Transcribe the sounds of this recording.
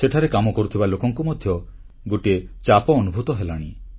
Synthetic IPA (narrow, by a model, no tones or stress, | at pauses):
seʈʰaɾekamɔkɔɾut̪ʰibalokɔŋkumɔd̪ʱjɔ | ɡoʈet͡ʃapɔːnubʱut̪ɔɦelaɽ̃i